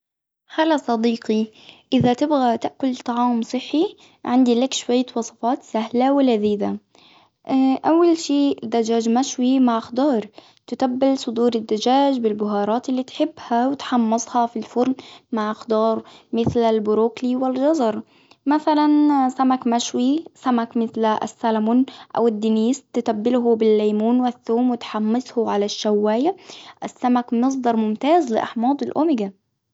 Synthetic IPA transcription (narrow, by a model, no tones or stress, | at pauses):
xalasˤɑd̪iːqi | ʔɪðat̪ɪbɣat̪ɪʔkʊlt̪ˤɑʕɑːmsˤɨħːi | ʕɪnd̪ilakʃwajːawɑsˤɑ̥fɑːt̪sahlawɪlaðiːd̪a | ʔawːalʃiːd̪ːad͡ʒaːd͡ʒmaʃwimaʕxd̪ɑːɾˤ | t̪ɪt̪abːɪlsˤʊd̪uːɾɪd̪ːad͡ʒaːd͡ʒbɪlbʊɦɑːɾˤɑːt̪ɪlːiːt̪ħɪbːhawɪt̪ħɑmːɑsˤhɑfilfʊɾnmaʕxd̪ɑːɾˤmɪθlalbʊɾoːkliwɪlʒɑzˤɑɾˤ | maθalansamakmaʃwisamakmɪθla̰sːalamuːnʔa̰wɪd̪ːɪniːst̪ɪt̪abːɪlɦʊbɪlːaːmuːnwɪθːuːmwɪt̪ħamːɪsˤhʊʕalaʃːawːaːjaʔɪsːamakmɑs̬ˤd̪ˤɑɾˤmʊmt̪aːzlɪ̰ʔɑ̰ħmɑːd̪ˤɪlʔʊmɪɡa